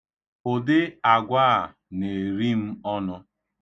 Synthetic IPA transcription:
o˨dɪ˦a˨ɡʷaː˦˨ | ne˨ɾi˦m̩˦ɔ˦nɔ˦

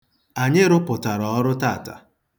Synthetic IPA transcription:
a˨ɲɪ˦ɾʊ˦pʊ˨ta˨ɾɔ˨ɔ˦ɾʊ˦taː˦˨ta̰˨

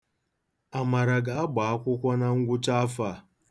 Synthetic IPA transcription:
a˨ma˨ɾa˨ɡa˨a˦ɡ͡ba˨a˦kʷʊ˦kʷa˦na˦ŋ̩˦ɡʷʊ˦t͡ʃa˦fa˦˨

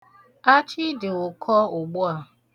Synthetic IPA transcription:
a˦t͡ʃi˦dɪ˨ʊ˨kʰɔ˦ʊ˨ɡ͡bʊ˦a˦˨

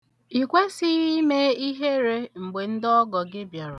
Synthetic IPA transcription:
i˨kʷe˦sɪ˦ɣi˦me˦i˦ɦe˦ɾe˦ŋ͡m̩˨ɡ͡be˨n̩˦dɔ˦ɡɔ˨ɡɪ˦bja˨ɾʊ˨

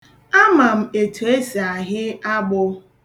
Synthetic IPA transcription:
a˦ma˨m̩˨e˨tʰu˨e˦si˨a˨ɦɪ˦a˦ɡ͡bʊ˦

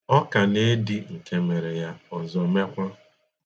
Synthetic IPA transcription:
ɔ˦ka˨ne˦dɪ˦ŋ̩˨ke˦me˨ɾe˨ja˦ɔ˨zɔ˨me˦kʷa˦

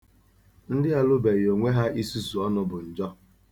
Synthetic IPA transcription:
n̩˦dɪ˦a˦lʊ˦be˨jo˨ŋʷe˦ɦa˦ʔi˦su˦su˨ɔ˦nʊ˦bʊ˨n̩˨d͡ʒɔ˦

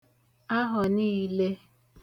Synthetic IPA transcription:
a˦ɦɔ˨niː˦˨le˦

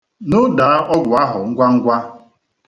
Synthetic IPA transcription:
nʊ˦da˨˦ʔɔ˦ɡʷʊ˨a˦ɦʊ˨ŋ̩˦ɡʷa˦ŋ̩˦ɡʷa˦

